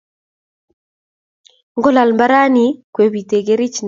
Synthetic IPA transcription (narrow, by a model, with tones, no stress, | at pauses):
ŋɡɔ˦la˨lmba˦ɾa˦ni˨kwe˨βi˨te˨ɡe˦ɾɪ˦t͡ʃn